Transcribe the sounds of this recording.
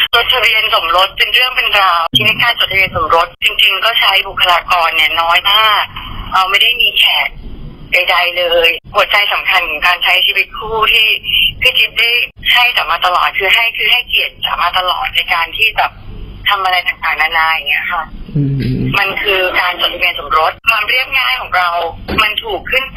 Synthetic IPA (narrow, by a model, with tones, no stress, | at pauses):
t͡ɕo˨˩t̪̚ʰa˧bi˧ənso˩˦mɾo˦˥t̪̚pe˧nɾɯ˥˩əŋpe˧nɾaː˧wt̪ʰiː˧˩na˥˩jkaː˧nt͡ɕo˨˩t̪̚ʰa˧bi˧ənso˩˦mɾo˦˥t̪̚t͡ɕi˧ŋt͡ɕi˧ŋkɔː˥˩t͡ɕʰa˦˥jbu˨˩kʰːa˧laː˧kɔː˧nːi˦˥˩ɐnɔː˦˥jt̪ʰaː˥˩ɾa˧wma˥˩jda˥˩jmiː˧kʰɛː˨˩t̪̚da˧jda˧jlɤː˧jpu˨˩ət̪̚t͡ɕa˧jsa˩˦mkʰa˧nkʰɔː˩˦ŋkaː˧nt͡ɕʰa˦˥jt͡ɕʰiː˧wi˦˥t̪̚kʰuː˥˩t̪ʰiː˥˩t̪ʰɯː˥˩t͡ɕʰi˦˥t̪̚da˥˩jha˥˩jsa˨˩maː˧t̪a˧lɔ̰ː˨˩t̪̚kʰɯː˧ɦa˥˩jkʰɯː˧ɦa˥˩jki˨˩ət̪̚sa̰ː˨˩˦maː˧t̪a˧lɔ̰ː˨˩t̪̚na˧jkaː˧nt̪ʰiː˥˩bɛː˨˩p̚t̪ʰa˧mʔa˧ɾa˧jt̪a˨˩ŋt̪aː˨˩ŋ̚naː˧naː˧jŋi˦˥ɐkʰa˥˩ | ma˧nkʰɯː˧kaː˧nso˨˩t̪ʰːi˧meː˧nso˩˦mɾo˦˥t̪̚kʰwaː˧mɾi˥˩əp̚ŋaː˥˩jkʰɔː˩˦ŋɾa˧wma˧nt̪ʰuː˨˩kʰːɯ˥˩n